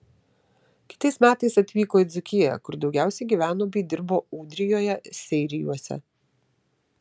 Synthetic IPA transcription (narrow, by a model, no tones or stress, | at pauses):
kʲɪ̥t̪ɐɪsmʲæːt̪ɐɪsɐt̪ʲʋʲiːkoːɪzʲʊkʲɪjɛ̰kʊɾd̪ɒʊɡʲæˑʊsʲɛɪɡʲiːʋʲæːnoːbʲiːd̪ʲɪɾboːuːd̪ʲɾʲɪjoːjɛsʲɛɪɾʲɪjuɔsʲɛ̰